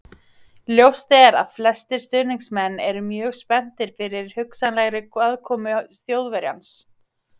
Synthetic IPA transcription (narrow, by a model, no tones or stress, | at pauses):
ljowst̪ɛɾa̰ðflɛst̪ɪɾ̥st̪ʏðɾniŋsmɛnːɛɾʏmjœːɣspɛn̥t̪ɪɾ̥fɪɾɪɾ̥hʏksanlɛɣɾɪkvaðkʰɔːmʏθjowðvɛɾja̰ns